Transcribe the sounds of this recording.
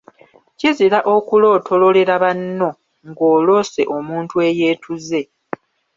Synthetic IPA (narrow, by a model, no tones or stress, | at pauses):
ciziɾaʔokulo̞ːtʰo̞lo̞le̞ɾaβanːo̞ | ŋɡo̞ːlo̞ːse̞̰ʔo̞muːntue̞je̞ːtʰuze̞